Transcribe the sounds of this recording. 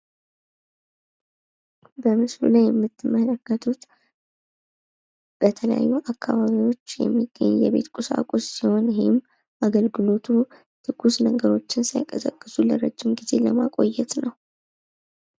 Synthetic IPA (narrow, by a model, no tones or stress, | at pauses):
bəmɨslṵlajːɛmːɨt̪ʰːɨmːələkːət̪ʰut̪ | b̥ət̪ʰələja̰jːuʔakːaβaβiwo̞t͡ʃːjɛ̰mːiɡ̥ːə̰ɲːjɛβe̞̰t̪kʼusa̰kʼussiho̞njhɪm | ʔaɡəlɡɨlo̞t̪ʰu | t̪ʰɨɡ̥usnəɡəɾo̞t͡ʃːɪnsajkʼəsəkʼːɨsuləɾəd͡ʒːɪmɡize̞ləma̰kʼo̞jːɛt̪nəw